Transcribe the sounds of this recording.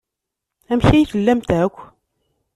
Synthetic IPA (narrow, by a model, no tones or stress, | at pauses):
æmçæjçəlːæmt̪ʕækʷː